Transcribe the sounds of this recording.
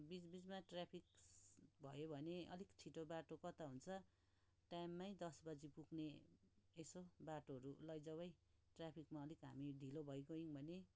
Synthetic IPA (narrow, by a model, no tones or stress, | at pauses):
bid͡zbid͡zmaʈrapʰik̚bʱʌjobʱʌneʌ̰likt͡sʰiʈobaʈokʌt̪aɦunt͡sʰʌ | ʈajmːajd̪ʌsbʌd͡zipuɡneː | sobaʈoɦʌɾulʌjd͡zʌβʌj | ʈrapʰikmaʌlikɦamiɖʱilobʱʌjɡoiŋbʱʌne